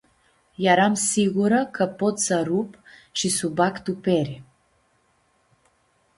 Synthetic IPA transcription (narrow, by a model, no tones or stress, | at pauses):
jaɾamsiɣuɾəkʰəpot̪saɾupʃisubakt̪upɛɾi